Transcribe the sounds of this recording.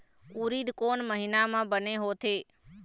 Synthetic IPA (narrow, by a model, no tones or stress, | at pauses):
uːɾiːd̪koːnməɦinamãbəneɦot̪ʰeː